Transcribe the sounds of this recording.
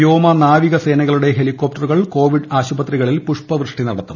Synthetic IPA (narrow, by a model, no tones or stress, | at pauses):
joːmɐnaːʋiɣɐse̞ːnɐɣɐɭuɽe̞ɦelikːo̞p̚ʈːɐruɣɐɭko̞ːʋiɖaːɕubɐt̪riɣɐɭilpuʂpɐʋrɨʂʈinɐɽɐt̪ːum